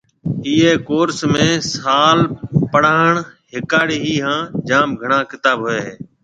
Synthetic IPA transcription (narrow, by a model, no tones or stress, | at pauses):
iːɦeːkoːɾsmẽːsaːlpəɽ̤aːɳɦɪkaːɽiːɦiːɦãːd͡ʒaːmɡʱəɳãːkɪt̪aːbɦoːeːɦeː